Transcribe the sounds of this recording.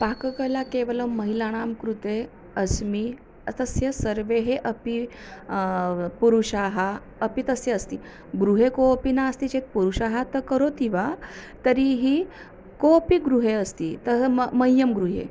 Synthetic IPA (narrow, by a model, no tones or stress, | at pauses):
pakəkəlakeʋələməɦilaɽ̃amkɾut̪e | əsmi | ət̪əsjəsəɾʋeɦeʔəpi | puɾuʂaɦa | əpit̪əsjəəst̪i | ɡɾuɦekopinaəst̪it͡ɕet̪̚puɾuʂaɦat̪əkəɾot̪iʋat̪əɾiɦi | kopiɡɾuɦeəst̪iːt̪əməjːəmɡɾuɦḛ